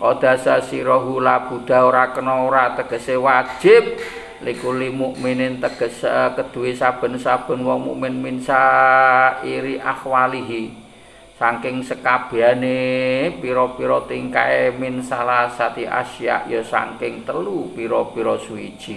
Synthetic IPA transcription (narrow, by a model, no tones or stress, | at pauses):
ʔɔd̪̥a̤sasiɾɔɦulab̥ṳd̪̥a̤oɾakənɔɾat̪əɡ̥ə̤sewḁd͡ʒ̥ɪp̚ | likulimuʔminɪnt̪əɡ̥ə̤skəd̪̥ṳwesab̥ə̤nsab̥ə̤nwɔmṵʔmɪnminsa | iɾiʔa̰hwaliɦi | saŋkɪŋsəkab̥e̤anepiɾɔpiɾɔt̪iŋkaemɪnsalasat̪iʔa̰ʃia̰ʔjɔsa̰ŋkɪŋt̪əlupiɾɔpiɾɔsuḭd̥ʒ̥i̤